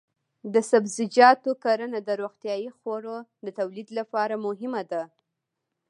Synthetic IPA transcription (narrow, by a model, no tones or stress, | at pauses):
d̪əsabzɪd͡ʒɑt̪okaɾənad̪əɾoɣt̪jɑjixwoɾod̪ət̪awlid̪lapɑɾamʊɦɪmad̪a